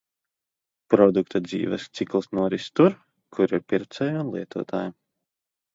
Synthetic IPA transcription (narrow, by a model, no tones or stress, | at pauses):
pɾɔd̪ukt̪ad̪zḭːvɛst̪siklˠisnuɔɾist̪uɾ | kʰuɾiɾpʲiɾpt̪sɛjunlˠiɛt̪ṵːt̪ʰaːja